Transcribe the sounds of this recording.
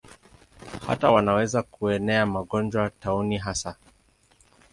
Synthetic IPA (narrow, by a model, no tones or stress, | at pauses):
ha̰tawanawɛzakuɛnɛamaɠɔnd͡ʒwatauniɦasa